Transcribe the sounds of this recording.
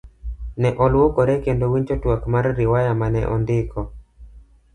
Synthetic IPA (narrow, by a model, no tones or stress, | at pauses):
nɛʔɔlwokɔɾɛkendowiɲt͡ʃɔtwakmaɾːɪwajamanɛ̰ʔɔ̰ndɪkʰɔ